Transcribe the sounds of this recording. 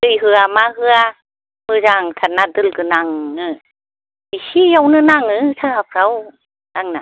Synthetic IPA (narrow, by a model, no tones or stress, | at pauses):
tɯjɦɯamaɦɯa | mɯzaŋt̪ʰanːad̪ɯlkɯnaŋɯ | misijawnɯnaŋɯt̪ʰahap̚ʰɾaw | naŋnaŋ